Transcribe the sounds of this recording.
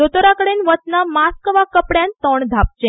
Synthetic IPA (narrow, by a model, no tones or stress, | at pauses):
d̪ot̪oɾakəɽenʋət̪namaskəʋakəpɽjant̪ɔɳd̪ʱap̚t͡ɕẽ